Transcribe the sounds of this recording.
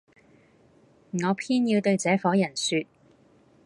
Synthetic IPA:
ŋɔː˨˧pʰiː˥njiː˧wt̪ɵ˧ɥt͡sɛː˨˥fɔː˨˥jɐ˨˩nsyː˧t̚

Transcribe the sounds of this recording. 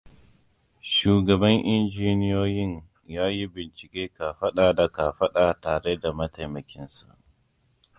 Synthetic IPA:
ʃuː˨ɡɐ˨bɐ˦ŋʔɪ˦nd͡ʒiː˦nɪ˦joː˦jɪ˦ɲ | jaː˦ji˦bɪ˨nt͡ʃɪ̥˨kʲʼeː˦ka˨ɸɐ˦ɗaː˨da˨ka˨ɸɐ˦ɗa˨taː˨ɽe˦da˨mɐ˦ta˨jmɐ˨kʲɪ˦nsa˨ʔ

